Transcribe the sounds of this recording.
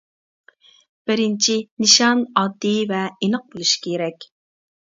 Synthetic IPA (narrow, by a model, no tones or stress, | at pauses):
b̥ɪɾɪnt͡ʃʰinɨʃɑnɑd̪ːɨvɛenəq̚bolˠuʃkʲʰeɾɛkʲ